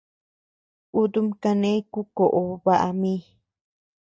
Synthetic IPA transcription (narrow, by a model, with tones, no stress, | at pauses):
u˦d̪u˦mka˧nẽ˦ku˦ko˨ʔo˨βa˨ʔa̰˧mi˦